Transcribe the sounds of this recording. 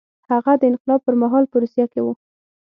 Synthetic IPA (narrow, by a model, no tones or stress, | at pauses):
haɣad̪əɪnqɪlɑb̚pəɾmaɦɑlpəɾusjakewu